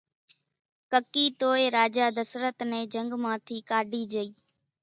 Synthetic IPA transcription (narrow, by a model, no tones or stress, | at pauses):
kəkiːt̪oːeɾaːd͡ʒaːd̪əsɾət̪nɛ̃ːd͡ʒə̃ŋɡmãːt̪ʰiːkaːɖʱiːd͡ʒəiː